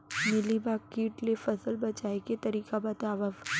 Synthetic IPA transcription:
mɪlibakːiːʈlefɐsəlbɐt͡ʃaːeket̪ɐɾiːkabɐt̪aːʋəf

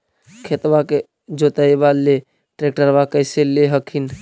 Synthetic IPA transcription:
kʰet̪bake | d͡ʒot̪əebale | ʈɾek̚ʈəɾbakəjseleɦəkʰin

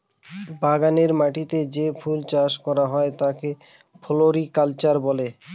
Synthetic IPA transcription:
baɡaneɾmaʈit̪ed͡ʑefʰult͡ɕaʃkɔɾaɦɔet̪ake | pʰoloɾikalt͡ɕaɾbole

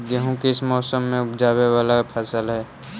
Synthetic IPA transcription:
ɡəɦõkeɪsmɔːsəmːẽʊpd͡ʒaːwewaːlapʰəsəlɦɛː

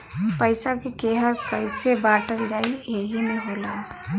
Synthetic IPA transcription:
pəɪsakekeɦakəɪsebaʈəld͡ʒaːieɦinəĩɦola

